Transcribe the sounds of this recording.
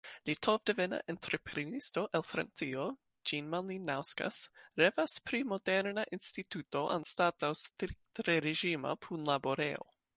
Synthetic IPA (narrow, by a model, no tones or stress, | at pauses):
litʰovdevena̰ʔent̪ɾepʰɾenisto̞ʔelfɾa̰nt͡sio | d͡ʒinmaninːawska̰sɾevaspɾimodeɾnaʔinstituto̞ʔa̰nstatawstɾik̚tɾeɾeʒima̰pʰunlaboɾeo̰